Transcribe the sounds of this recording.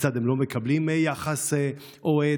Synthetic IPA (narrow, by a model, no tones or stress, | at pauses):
t͡sad̪emlo̞mekablimjaχase | ʔoe